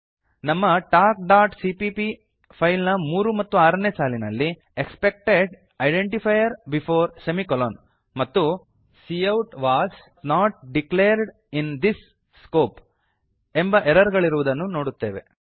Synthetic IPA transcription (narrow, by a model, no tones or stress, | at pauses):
nɐmːɐʈaːk̚ɖaːʈsipipi | pʰɐjlnɐmuːɾumɐt̪ːuaːɾɐneːsaːlinɐlːi | ekspek̚ʈeɖ | ɐjɖeɳʈipʰɐjɐɾbipʰoːɾsemikɐlon | mɐt̪ːu | siɐwʈʋaːs | naːʈ̚ɖikleːɾɖ | ind̪isː | koːp | embɐʔeɾɐɾɡɐɭiɾuʋud̪ɐnːuno̞ːɽut̪ːe̞ːʋe